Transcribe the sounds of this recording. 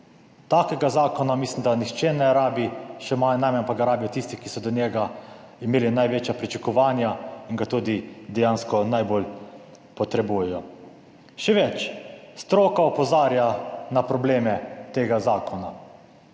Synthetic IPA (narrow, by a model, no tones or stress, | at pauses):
t̪aːkɛɡazaːkɔnamislimd̪anixt͡ʃenɛɾaːbiʃɛmanajmɛnpaɡaɾaːbijɔt̪ist̪ikisɔd̪ɔnjɛɡaimeːlinajʋeːt͡ʃjapɾit͡ʃakɔʋaːnjaiŋɡat̪uːd̪id̪ɛjaːnskɔnajbol | pɔt̪ɾɛbuːjɛjɔ | ʃɛʋɛt͡ʃst̪ɾoːkaɔpɔzaːɾjanapɾɔbleːmɛt̪eːɡazaːkɔna